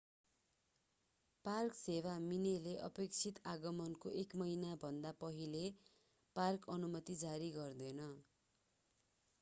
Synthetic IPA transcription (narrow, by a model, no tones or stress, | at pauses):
parksewamineleʔʌ̰pekt͡sʰit̪aɡʌmʌnkoʔekmʌinabʱʌnd̪apʌɦile | parkʌnumʌt̪id͡zaɾiɡʌrd̪ʌjnʌ